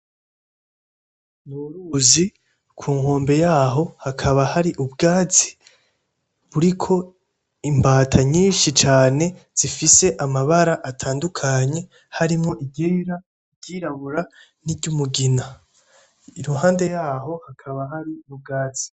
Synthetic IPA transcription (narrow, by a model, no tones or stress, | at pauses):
muɾuzi | kʰuːŋho̞ːmbe̞jaːɦo̞hakʰaβahaɾiʔubɡaːzi̥ | βuɾikʰo̞ | imbaːtʰaɲiːnʃit͡ʃaːne̞z̥ifise̞ʔamaβaɾaʔatʰaːndukʰaɲe̞ | haɾimŋo̞ʔiɟiɾa | iɟiːɾaβuɾa | niɟumuɡina | iɾuɦaːnde̞jaːɦo̞hakʰaβaɦaɾiub̚ɡaːz̥i̥